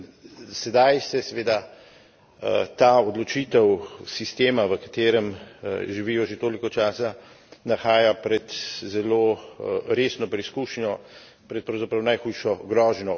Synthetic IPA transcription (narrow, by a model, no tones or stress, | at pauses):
sɛd̪ajsɛsɛʋeːd̪a | t̪aːɔd̪lɔt͡ʃiːt̪ɛwsist̪eːmaʋəkḁt̪eːɾəmʒiʋiːjɔʒet̪oːlikɔt͡ʃaːsa | naxaːjapɾɛt̪zɛloːɾeːsnɔpɾɛiskuʃnjɔ | pɾɛt̪pɾawzapɾawnajxujʃɔɡɾɔːʒnɔ